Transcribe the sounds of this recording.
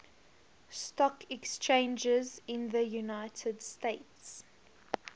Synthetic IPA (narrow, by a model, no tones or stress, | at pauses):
stɔkɛkst͡ʃʰẽɪ̃nd͡ʒəzɪ̃nðəjunaɪtʰədsteɪts